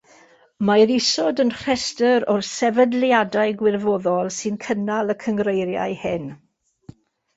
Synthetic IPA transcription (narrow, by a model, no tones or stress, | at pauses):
majɾisɔdənr̥ɛstəɾɔrsɛvədljadaɨɡwɪrvɔðɔlˠsɨnkʰənalˠəkʰəŋrejɾja̰jhɪn